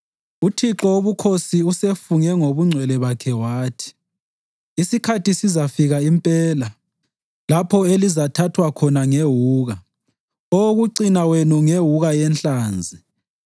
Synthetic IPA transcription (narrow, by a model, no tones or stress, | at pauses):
utʰiǁɔoβukʰosiusefuŋɛŋoβuŋ͡ǀʱwɛlɛβakʰɛwaːtʰi̥ | isikʰatisizafiɣaimpʼɛːla | lapʰɔelizatʰatʰwakʰɔnaŋeɦuːɣa | oɣuǀinawenuŋeɦuɣajɛnt͡ɬaːnd͡zʱi